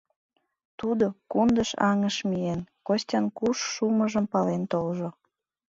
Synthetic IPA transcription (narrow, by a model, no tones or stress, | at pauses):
t̪ud̪okund̪əʃɑŋəʃmijenkosʲtʲɑnkuʃːuməʒəmpɑlent̪olʒo